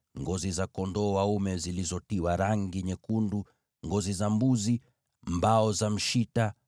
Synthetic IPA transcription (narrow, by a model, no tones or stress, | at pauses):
ŋɡɔzizakɔndɔwaumɛzilizɔtiwaɾaŋɡiɲɛkundu | ŋɡɔzizambuzi | mbaɔzam̩ʃita